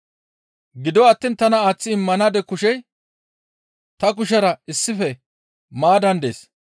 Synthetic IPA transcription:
ɡɪd̪ɔɐt̪ːiːnt̪ɐnɐaːt͡sːɪɪmːɐnaːd̪ɛkʊʃɛj | t̪ɐk̬ʊʃɛɾɐɪsːɪfɛ | maːd̪ɐnd̪ḛːs

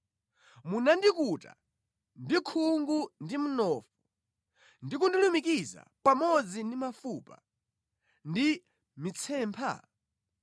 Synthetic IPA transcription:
munandikuta̰ | ndikʰuŋɡundim̩nɔfu | ndik̬undulumikiza̰pamɔd͡zindimafuːpa̰ | ndi | mit͡sʰɛːmpʰa̰

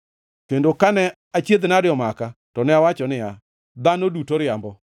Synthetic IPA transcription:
kendokanɛ | at͡ʃjed̪nadɪɔmakatɔnɛawat͡ʃɔnɪja | d̪anodutoɾɪambɔ

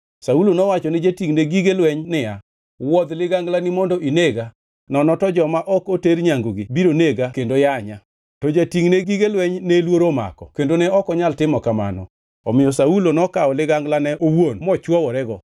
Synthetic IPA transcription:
saulonɔwat͡ʃɔned͡ʒatiŋneɡiɡelwɛɲnɪja | wɔd̪lɪɡaŋɡlanɪmɔndɔʔineɡa | nɔnɔtɔd͡ʒɔmaʔɔkoteɾɲaŋɡoɡɪbiɾoneɡakendojaɲa | tɔd͡ʒatiŋneɡiɡelwɛɲnelwoɾoma̰kɔ̰kendonɛɔkɔɲaltɪmɔkama̰nɔ̰ | ɔ̰mɪɔsaulonɔkaɔlɪɡaŋɡlanɛʔowonmɔt͡ʃwɔwɔɾɛɡɔ

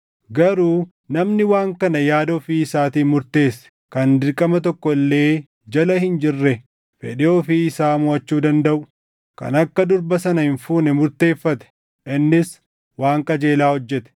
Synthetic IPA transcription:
ɡɐɾuː | nɐmnɪwaːŋkɐnɐjaːd̪ofiːɪsaːt̪iːmʊɾt̪e̞ːs | kɐnd̪ɪɾkʼɐmɐt̪ɔkːɔlːe̞ː | d͡ʒɐlɐhɪnd͡ʒɪrːɛ | fɛ̰ᶑɪoːfiɪsaːmʊɐt͡ʃːuːd̪ɐnd̪ɐʔʊ̥ | kɐ̰nɐkːɐd̪ʊɾbɐsɐnɐhɪnfuːnɛmʊɾt̪e̞ːfːɐt̪ɛ̥ | ʔɪnːɪs | waːŋkʼɐd͡ʒe̞ːlaːhɔd͡ʒːɛt̪ɛ̥

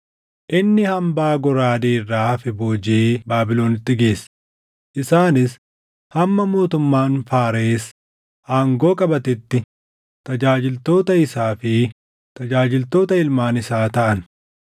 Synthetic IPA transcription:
ʔɪnːɪhɐmbaːɡɔɾaːd̪eːrːaːfɪbo̞ːd͡ʒeːbaːbɪlo̞ːnɪt̪ːɪɡe̞ːsː | ʔɪsaːnɪs | hɐmːɐmo̞ːt̪ʊmːaːnfaːɾeːs | ʔaːŋɡo̞ːkʼɐbɐt̪ɪt̪ːɪ | t̪ɐd͡ʒaːd͡ʒɪlt̪o̞ːt̪ɐɪsaːfɪ | t̪ɐd͡ʒaːd͡ʒɪlt̪o̞ːt̪ɐɪlmaːnɪsaːt̪ɐʔɐn

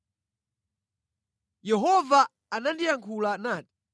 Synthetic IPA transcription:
jɛɦɔvaː | nandijaŋkʰulanaːti̥

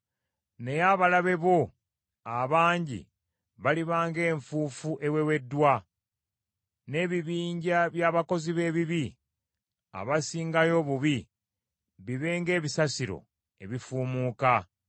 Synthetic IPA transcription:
ne̞jaβalaβe̞βo̞ | aβaːɲɟḭ | βaliβaːŋɡe̞ːɱfuːfuʔe̞we̞we̞dːwa | ne̞ːβiβiːɲɟaβjaːβako̞ziβe̞ːβiβi | a̰βasiːŋɡajo̞βuβi | βiβe̞ːŋɡe̞ːβisasiɾo̰ | e̞̰βifuːmuːka

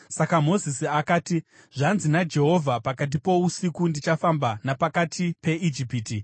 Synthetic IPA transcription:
sakamo̞zisiakaːti | ʐ̥anzinad͡ʒe̞ɦo̞vʱapakat̬ipo̞usikundit͡ʃafambanapakatʰipe̞ʔid͡ʒipiːti

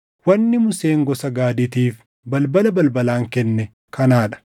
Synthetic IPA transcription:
wɐnːɪmʊseːŋɡɔsɐɡaːd̪ɪt̪iːf | bɐlbɐlɐbɐlbɐlaːŋkɛnːɛ | kɐnaːᶑɐ̥

